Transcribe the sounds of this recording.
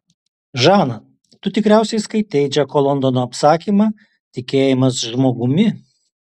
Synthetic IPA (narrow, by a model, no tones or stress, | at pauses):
ʒɑːnɐ | t̪ʊt̪ʲɪkɾʲæˑʊsʲɛɪskɐɪt̪ʲɛɪd͡ʒʲɛkoːlˠɔnd̪onoːɐpsɑːkʲiːmɑː | t̪ʲɪkʲeːjɪmɐsʒmoːɡʊmʲɪ